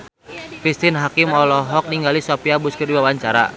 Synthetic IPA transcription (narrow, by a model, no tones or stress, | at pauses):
kɾist̪ɪnɦakimɔlɔɦɔk̚niŋɡalisopiabuskərdiwawaɲt͡ʃaɾa̰